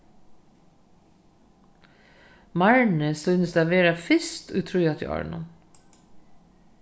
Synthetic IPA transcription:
mɑɹɳəsœnəsd̪æʋeːɾɑfɪst̪ʰʉ̰t̪ʰɾʉːjɑt̪ʰɪ̰ːʔɑ̰ɹɳʊ̰n

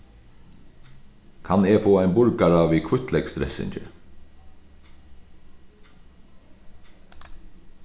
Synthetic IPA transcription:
kʰɑneːfoːæɪjnbʊɾkaɾɑːʋiːkʰʋʏt̪lɛɡ̥st̪ɾɛ̰sɪ̰ɲcə̰ɾ

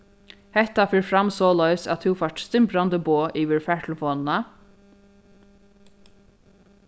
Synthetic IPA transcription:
hɛht̪afɪːɹfɾamsɔːlœʏsæ̰ðθʰɪwfœʈ̪st̪ɪmpɾand̪əboːʔiːʋɪɹfæʈ̪lfɔːnna

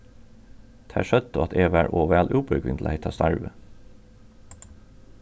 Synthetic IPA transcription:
t̪ʰæ̰ːʃœd̪̚t̪oɑt̪ʰeːʋæːɹʔoːʋæːlʔʉːbœɾɡʋɪ̰nd̪l̩heɪt̪ʰɑ̰ːst̪ɑɹʋə

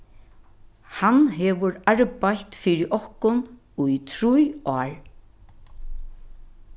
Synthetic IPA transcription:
hanɦɛʋʊɾaɹpajt̪fɪɾɪʔɔhkʊn | ʊjt̪ʰɾujɔːɹ

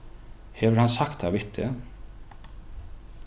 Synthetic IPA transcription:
hɛvəɾhansakt̪avɪht̪ʰːɪ

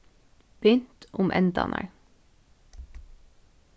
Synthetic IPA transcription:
b̥ʏnt̪ʊmʔɛnd̪ɑ̰ːnʔə̰ɹ

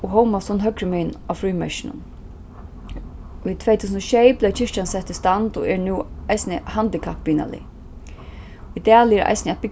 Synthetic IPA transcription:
ɔɦɔwmasɔnɦœkɾɪmɛnawfɾuːmɛ̰ʃɪnʊ̰n | it̪ʰvejt̪ʰuːsənʃɛɪplɛt͡ʃʰɪʂt͡ʃansɛt̪ːɪst̪ant̪ɔ̰ɛɹnuːajsnəhand̪ɪkʰapviːna̰lɪ̰ | id̪æːlɪɛɾʔa̰jsnɪɛt̪̚bɪk

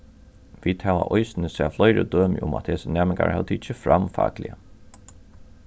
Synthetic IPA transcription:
ʋiːd̪hæːʋa̰ʔɔjsnəsɛːflɔjɾə̰d̪øːmɪʔʊma̰t̪heːsənæːmɪŋka̰ɾhɛ̰lt̪ʰɪt͡ʃːəfɾamfa̰ːklɪ̰ə

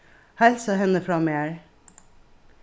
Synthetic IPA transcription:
hæːɾsɑhɛnəfɾɑmeæɹ

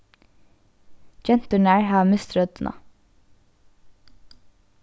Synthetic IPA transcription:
d͡ʒɛnt̪ʉɳæːɹhɑːmɪst̪ɾœd̪nʔɑ̰

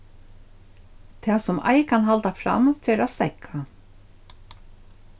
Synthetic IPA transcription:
t̪ʰɛːsʊmʔa̰jkanɦalt̪afɾa̰mfɛːɾast̪ɛkʰːa

